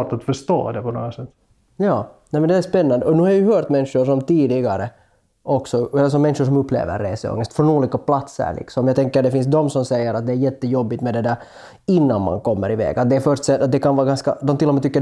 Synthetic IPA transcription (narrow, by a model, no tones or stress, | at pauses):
ʈat̪fœʂt̪o̰ːd̪ɛpʰɔno̰ːɡasɛt̪ː | jɑːnɛmɛnd̪ɛæʂpɛnːand̪əɔnʉːhaɾjɵhœːɾt̪mɛnʂʊʂɔmt̪iːd̪ɪɡaɾə | ɔksɔɛlːəʂ̬ɔmɛnʂʊʂ̬ɔmɵpːlḛːvə̰ɾːeːsəɔ̰ŋːəst̪fɾɔnuːliːkapʰlat̪sə̰ɾɭɪ̰ksɔmjɑɡt̪ɛŋkːəd̪ɛfɪns̬d̪ɔmsɔmsɛjːəɾat̪̚d̪ɛæɾjɛt̪ːəjɔbːɪt̪mɛd̪ɛd̪æːɾ | ɪnːa̰nma̰nkɔmːəɾɪvḛːɡat̪̚d̪ɛːfœʂt̪sɛat̪̚d̪ɛkʰanvɑːɡanska̰d̪ɔmt̪ɪlːɔmeːt̪ʏkːə